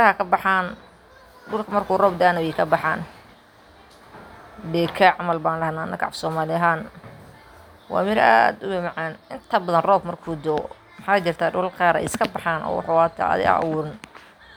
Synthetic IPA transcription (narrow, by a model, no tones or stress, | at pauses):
ɾɐhɐkʰɐbɑħaːn | ɖʊlkʰɐmɐrkʰuːrɔːbd̪aːnɐwɛkʰɐbɑħa̰ːn | bɛːkʰɐʕɑmɐlbaːnlɐhnaːnːɐkʰʕɑ̰fsɔːmaːlɪɦaːn | wɑ̰ːmɪɾa̰ːd̪ʊbɪmɑʕaːnʔɪnt̪ʰɐbɐðɐnrɔːb̚mɐrkʰuːd̪ɔː | mɑħaːt͡ʃɪrt̪ʰaːɖʊlqɑːɾɛ̰jɪskʰɐbɑħaːnʔɔ̰ːwɑ̰ħʊaːt̪ʰːðɪ̰ɐ̰wʊːɾɪn